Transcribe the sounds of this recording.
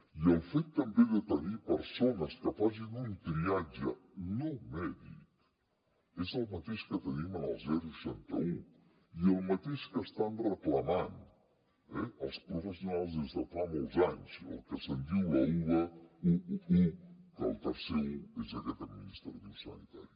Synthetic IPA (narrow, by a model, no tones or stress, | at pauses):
iəlˠfet̪ːəmbeðət̪ənipəɾsonəskəfaz̬inunk̪ɾiad͡ʒənomɛðḭk | ezəlˠmɐt̪eʃkət̪ənimənəlˠzɛɾuʃɛnt̪ə̰u | iəlˠmɐt̪eʃkəst̪anrəklɐman | ɛəlˠspɾufəsjunalˠzəsəfamolˠzaɲzə̰lˠkəsənd̪iwɐuəuukə̰lˠt̪əɾsɛuezəɣɛt̪əminist̪ɾðusɐ̰nit̪a̰ɾju